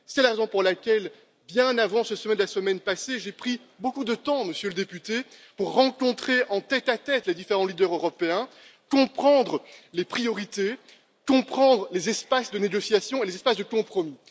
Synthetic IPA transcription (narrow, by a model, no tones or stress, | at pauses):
sɛlaʁezɔ̃puʁlakʲɛl | bjɛ̃navɑ̃səsəmɛd̪əlasəmɛnpaseʒepχi | bokud̪ət̪ɑ̃məsjøləd̪epyt̪epuʁːɑ̃kɔ̃t̪χeʔɑ̃t̪ɛt̪at̪ɛt̪led̪ifeʁɑ̃lid̪œʁøʁɔpeɛ̃ | kɔ̃pχɑ̃d̪ʁəlepχijɔʁit̪e | kɔ̃pχɑ̃d̪ʁəlezɛspasd̪əneɡɔsjasjɔ̃elezɛspasd̪əkɔ̃pχɔmi